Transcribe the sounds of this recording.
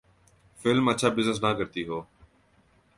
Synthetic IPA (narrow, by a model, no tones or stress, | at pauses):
fɪlmət͡ʃʰaːbɪznəs̬nãːkəɾt̪iːɦoː